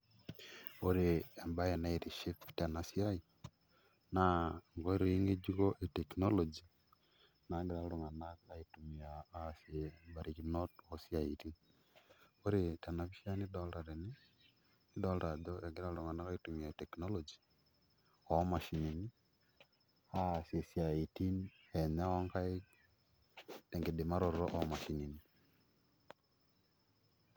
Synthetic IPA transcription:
oɾeːmbaenaiɾiʃiptanasiai | naŋɡoɾeiŋɡed͡ʒiɣoʔeteknolod͡ʒi | naɡiɾaluŋanaɣaitumiaːsjebaɾiɣinotosiaiɾi | oɾitanaβiʃianidoldaɾeni | idɔldadɔɛɡeɾaɾuŋanakaitumiatɛknɔlɔd͡ʒi̥ | ɔmaʃinini | hasiesiaitin | ɛɲaɔŋkae | ɛŋɡedemaɾɔɾɾɔʔɔmaʃinini

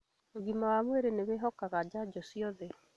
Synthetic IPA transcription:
oɣimawamweɾeneβeɦɔkaɣad͡ʑad͡ʑɔsiɔðɛ

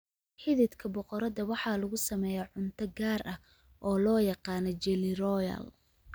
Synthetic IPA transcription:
ħɪðɪd̪kʰɐbɔqɔɾɐðɐwɑħɑːlɐɣʊsɐmɛːjaʕʊnt̪ʰɐɡaːɾʔɐ | ʔɔːlɔːjɑqɑːnɔd͡ʒɛlɪrɔjɐ̰l

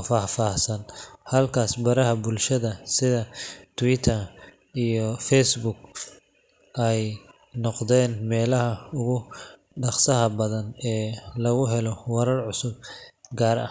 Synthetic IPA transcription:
faːfaːhsɐnhɐlkʰaːsbɐɾɐɦɐbʊlʃɐðɐsɪðɐt̪ʰʊwɪt̪ʰɐ | ijɔfɛjsbʊɡ | ʔɛj | nɔqd̪ɛːnmɛːlɐɦɐʊɣʊ | ɖɑqsɐɦɐbɐðɐnɛːlɐɣʊɦɛlɔwɐɾɐrʕʊsʊb̚ɡaːɾɐ̰

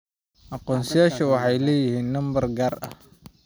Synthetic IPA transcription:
ʔɑqɔːnsɐjaːʃɐwɑħɑjlɛːjɪhiːnːɐmbɐrɡaːrʔɐ̰h

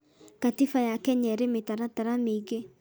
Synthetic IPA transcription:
katifajakɛɲɛɾemetaɾataɾamiːɣe

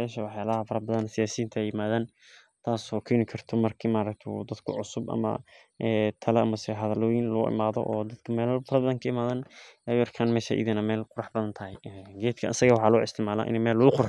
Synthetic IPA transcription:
ɛːʃɐwɑħjaːlɐɦɐfɐɾɐbɐðɐnsɪjaːsiːnt̪ʰɐɛjɪmaːðaːn | t̪ʰaːsɔːkʰɛːnɪkʰɐrt̪ʰɔmɐrkʰiːmaːɾɐk̚t̪ʰɛd̪ɐd̪kʰʊʕʊsʊbʔɐ̰mɐ̰ | ʔɛːt̪ʰɐlɐʔɐmɐsɛɦɐðɐlɔːjɪnlʊʔɪ̰maːðɔ̰ʔɔːd̪ɐd̪kʰɐmɛːlfɐɾɐbɐðɐŋkʰɐɪmaːðaːnɛjʊɐrkʰaːnmɛːʃɐ̰ʔɪ̰ðɪnɐmɛːlqʊɾɑħbɐðɐnt̪ʰɐɦɛjɛɡɛːd̪kʰɐʔsɐɣɐwɑħɑːlɔːɪ̰st̪ʰɪʕmaːla̰ʔɪ̰nɛmɛːlːʊɣʊqʊɾ

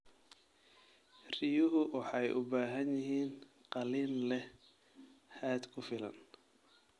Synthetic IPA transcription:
rɪjʊɦʊwʔɑħɑjʔʊbaːɦɐnjɪɦiːn | qɑliːnlɛ | haːd̪kʰʊfɪlɐ̰n

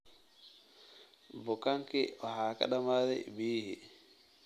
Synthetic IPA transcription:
bɔkaŋkɛɔhaːka̰ɗamaɾɛ̰biːhi

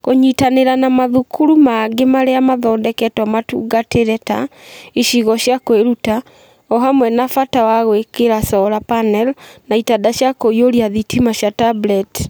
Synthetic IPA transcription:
koɲitaneɾanamaðukʰuɾumaɡemaɾeamaðɔːndɛkɛtwɔmatṵːɡateɾɛta̰iʃiɣɔɕjakweɾuta | ɔɦamwɛnafatawaɣwekeɾasɔɾapanɛlnaitadaɕjakoioɾiaðitimaɕjatablɛt

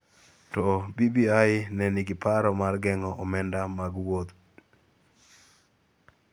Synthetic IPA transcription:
tɔbibiaɪnɛniɡɪpaɾɔmarɡɛŋɔɔmɛndamaɡwot̪

